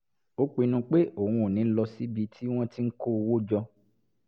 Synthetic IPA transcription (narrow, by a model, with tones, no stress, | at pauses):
o˦k͡pi˨˧nũ˧k͡pe˦o˦˨wũ˧o˨nĩ˨˦lɔ˧si˦bi˧tʰi˦w̃ɔ̃˦ti˦ŋ̩˦ko˦˧wo˦d͡ʒɔ˧